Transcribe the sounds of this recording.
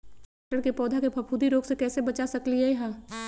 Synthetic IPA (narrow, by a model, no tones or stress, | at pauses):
ʈəɾkepɔːd̪ʱakebʰʱɐpʰuːd̪iɾoːɡsekɛːsebɐt͡ʃasɐkliɛɦãː